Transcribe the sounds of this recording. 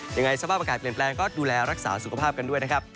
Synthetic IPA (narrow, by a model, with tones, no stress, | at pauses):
ja˧ŋa˧jsa˧pʰaː˥˩p̚ʔaː˧aː˨˩t̪̚pli˨˩ənplɛː˧ŋkɔː˥˩duː˧lɛː˧ɾa˦˥k̚sa̰ː˩˦su˨kʰa˧pʰaː˥˩p̚ka˧ndu˥˩əjna˦˥kʰɾp̚